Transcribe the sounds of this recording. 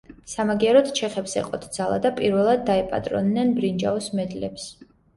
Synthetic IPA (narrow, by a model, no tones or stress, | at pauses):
samaɡiaɾɔt̪t͡ʃʰɛχɛpsɛ̰qʼɔ̰t̪ʰd̪zalˠa̰d̪apʼiɾvɛlˠad̪̚ːaɛpʼa̰t̪ʼɾɔ̰nːɛnbɾind͡ʒa̰ɔsmɛd̪lɛps